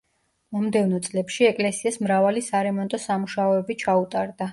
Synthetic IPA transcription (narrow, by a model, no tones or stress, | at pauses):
mɔmd̪ɛvnɔt̪sʼlɛpʃiɛkʼlɛsiasmɾavalisaɾɛmɔnt̪ʼɔsamuʃaɔɛbit͡ʃʰaut̪ʼaɾd̪a